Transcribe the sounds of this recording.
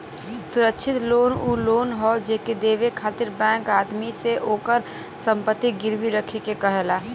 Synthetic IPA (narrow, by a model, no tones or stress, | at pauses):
sʊɾəkʃʰɪt̪loːnuːloːnɦɔd͡ʒeked̪eːʋekʰaːt̪ɪɾbɛ̃ːŋkaːd̪miseʔoːkəɾ | sə̃mpət̪ːiɡɪɾʋiɾəkʰekekɐɦɛːlaː